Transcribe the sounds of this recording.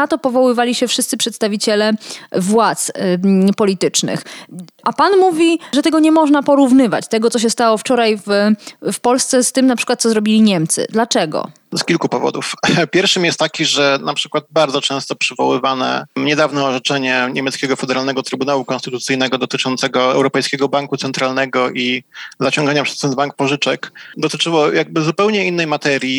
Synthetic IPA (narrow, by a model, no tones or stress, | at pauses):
at̪ɔpɔvɔwɘvalʲiɕɛfʂɘst̪sɘpʂɛt̪st̪avʲit͡ɕɛlɛvwat̪spɔlʲit̪ɘt͡ʂnɘ̰xʔapanmuvʲiʐɛt̪ɛɡɔɲɛmɔʐnapɔɾuvnɘva̰t͡ɕt̪ɛɡɔt̪ɔɕ̬ɛst̪awɔft͡ʂɔɾajffpɔlst̪sɛst̪ɘmnapʂɘ̥kwat̪sɔzɾɔbʲilʲiɲɛmt̪sɘ̰d̪lat͡ʂɛɡɔ̰ | skʲilkupɔvɔ̰d̪ufpʲjɛɾfʂɘmjɛst̪t̪ːakʲiʐɛnapʂɘ̥kwad̪̚baɾd̪zɔt͡ʂɛ̃st̪ɔpʂɘvɔ̰wɘ̰vanɛ̰ɲɛd̪avnɛːʐɛt͡ʂɛɲɛɲemʲɛt̪skʲɛɡɔfɛd̪ɛɾalnɛɡɔt̪ɾɘbunawukɔ̃nst̪ɘt̪ut̪sɘjnɛɡɔd̪ɔt̪ɘt͡ʂɔnt̪sɛɡɔɛ̰wɾɔpɛjskʲɛɡɔbaŋkut̪sɛnt̪ɾalnɛɡɔʔizat͡ɕɔ̃ŋɡaɲapʂɛst̪ɛnbaŋk̚pɔʐɘt͡ʂɛkd̪ɔt̪ɘt͡ʂɘwɔjaɡ̚bɘzupɛwɲɛinːɛjmat̪ɛɾʲji